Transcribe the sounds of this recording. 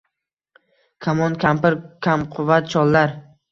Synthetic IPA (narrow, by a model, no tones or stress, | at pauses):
kʰamɒnkʲʰampɪɾkʲʰamqʰʊvːat̪̚t͡ʃʰɒlˠlːaɾ